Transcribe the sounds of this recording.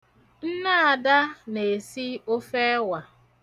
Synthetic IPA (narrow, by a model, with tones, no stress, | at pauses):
n̩˦na˦a˨da˦ne˨si˦o˦fe˦wa˨